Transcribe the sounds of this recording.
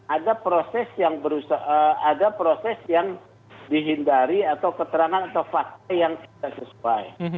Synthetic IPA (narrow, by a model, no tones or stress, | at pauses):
adapɾosɛsjaŋbəɾusaəadapɾosɛsjaŋ | diɦindaɾiat̪awkət̪əɾaŋanat̪awfak̚t̪ajaŋt̪idaʔsəsuaj